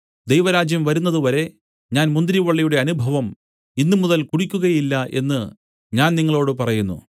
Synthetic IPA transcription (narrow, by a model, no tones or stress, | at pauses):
d̪ejʋɐɾaːd͡ʑjɐmʋɐɾunːɐðuʋɐɾe̞ | ɲaːnmund̪ɾiʋɐɭːijuɽe̞ɐnubʱɐʋɐm | inːumuðɐlkuɽikʲːuɣɐjilːɐʔe̞̰nːɨ | ɲaːnniŋːɐɭoːɽɨpɐrɐjunːṵ